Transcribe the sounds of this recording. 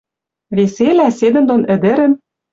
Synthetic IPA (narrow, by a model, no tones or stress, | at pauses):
βeselæsed̪ɘ̆nd̪onɘ̆d̪ɘ̆ɾɘ̆n